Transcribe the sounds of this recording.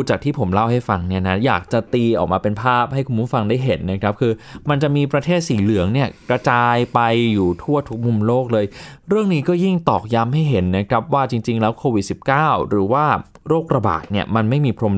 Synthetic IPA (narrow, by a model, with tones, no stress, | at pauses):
t͡ɕaː˨˩k̚t̪ʰiː˥˩pʰo˩˦mla˥˩wha˥˩jfa˧ŋni˥˩ɐna˦˥ja̰ː˨˩k̚t͡ɕa˨˩t̪iː˧ʔɔ̰˨˩k̚maː˧pe˧npʰaː˥˩p̚ha˥˩jkʰu˧nmu˦˥fa˧ŋda˥˩jɦe˩˦nːa˦˥kʰɾa˦˥p̚kʰɯː˧ma˧nt͡ɕa˨˩ʔmiː˧pɾa˧t̪ʰeː˥˩t̪̚siː˨˩lɯ˩˦əŋni˥˩ɐkɾa˧t͡ɕaː˧jpa˧jːuː˨˩t̪ʰu˥˩ɐt̪ʰu˦˥k̚mu˧mloː˥˩k̚lɤː˧jɾɯ˥˩əŋniː˦˥kɔː˥˩ji˥˩ŋt̪ɔː˨˩k̚ja˦˥mɦa˥˩jɦe˩˦nːa˦˥kʰɾa˦˥p̚waː˥˩t͡ɕi˧ŋt͡ɕi˧ŋlɛː˦˥wkʰoː˧wi˨˩t̪̚si˨˩p̚kaː˥˩wɾɯː˩˦waː˥˩ɾoː˥˩k̚ɾa˧ba̰ː˨˩t̪̚ni˥˩ɐma˧nma˥˩jmiː˧pʰɾo˧m